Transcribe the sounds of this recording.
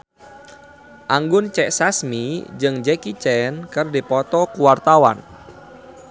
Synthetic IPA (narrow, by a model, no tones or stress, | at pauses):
ʔaŋɡʊnt͡ʃɛʔsasmid͡ʒɨŋd͡ʒɛkit͡ʃɛnkɨrdipɔt̪ɔkuwart̪awa̰n